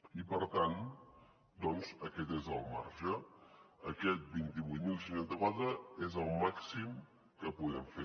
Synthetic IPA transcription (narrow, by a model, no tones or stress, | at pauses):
ipəɾt̪an | d̪ɔnzəkɛt̪ezəlˠmaɾʒəː | kɛt̪̚bint̪iβujt̪milˠs̬inanzəkwat̪ɾəezəlˠmaksim | kəpuɣɛmfe